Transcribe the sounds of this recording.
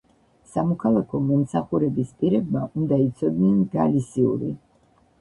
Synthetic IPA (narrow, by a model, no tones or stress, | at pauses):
samɔkʰalˠakʰɔmɔmsaχuɾɛbispʼiɾɛbmaʔund̪ait̪sʰɔd̪nɛnɡalisiṵɾi